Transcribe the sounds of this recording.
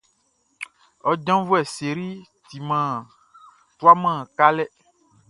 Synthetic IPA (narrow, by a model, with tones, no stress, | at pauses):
ɔ˦d͡ʒã˦vu˦ɛ˨se˨ɾi˦ | t̪i˨mã˨ | tu˦a˦mã˦˨ka˦lɛ˦